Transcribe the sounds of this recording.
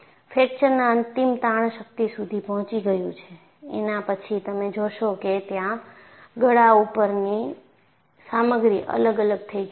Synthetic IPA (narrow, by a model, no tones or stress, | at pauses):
fʰek̚t͡ʃəɾnaənt̪imt̪aɳ̃ʃək̚t̪isud̪ʱipɔɦɔ̃t͡ʃiɡəjũt͡ʃʰe | ḛnapət͡ʃʰit̪əmed͡ʒoʃoket̪jã | ɡəɽaupəɾni | saməɡɾiʔə̰ləɡələɡ̚t̪ʰəi